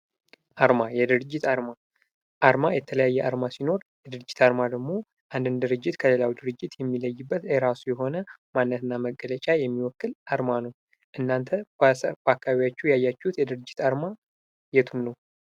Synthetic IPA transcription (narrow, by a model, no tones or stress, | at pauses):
ʔaɾmajɛd̪ɨɾɨd͡ʒːɪt̪ʰaɾma | ʔaɾmajɛt̪ʰələjajːɛʔaɾmasino̞ɾjɛd̪ɨɾɨd͡ʒːɪt̪ʰaɾmad̪əɡmo̞ | ʔand̪ɨnd̪ɨɾɨd͡ʒːɪt̪kʰəle̞lawid̪ɨɾɨd͡ʒːɪt̪jɛmːiləjːɪbːət̪ɛɾasujɛɦo̞nəmanːət̪ʰɨnːaməɡːələt͡ʃʼajɛmːiwɔkːɨlʔaɾmanəw | ʔɨnːant̪ʰəbakːaβijat͡ʃːɛjajːat͡ʃːɛhut̪jɛd̪ɨɾɨd͡ʒːɪt̪aɾma | jɛt̪ʰunːəw